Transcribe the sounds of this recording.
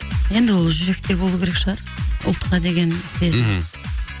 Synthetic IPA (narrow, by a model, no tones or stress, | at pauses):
je̞nd̪ɪwo̞lˠʒʏɾe̞k̚t̪e̞bo̞lˠukʲeɾekʃəʁɑɾ | ʊ̰lˠt̪qɑd̪e̞ɡʲe̞nsʰe̞zɪ